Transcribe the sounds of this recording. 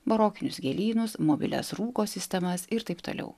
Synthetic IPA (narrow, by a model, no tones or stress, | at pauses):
bɐɾoːkʲɪnʲʊsɡʲɛːlʲiːnʊsmoːbʲɪ̰lʲɛ̰sɾuːkoːsʲɪsʲt̪ʲɛmɐsɪɾt̪ɐɪpt̪o̰ːlʲɛ̰ʊ